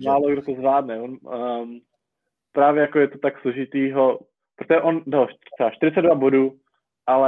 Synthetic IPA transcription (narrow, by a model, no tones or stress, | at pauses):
maːloɡdot̪ozvlaːdnɛvon | pɾaːvjɛjakojɛt̪ot̪aksloʒɪt̪iːɦo | pɾot̪oʒɛʔondoɦor̥ɛaʃt̪ɪɾɪt͡sɛd̪dvabo̞duː | ʔalɛ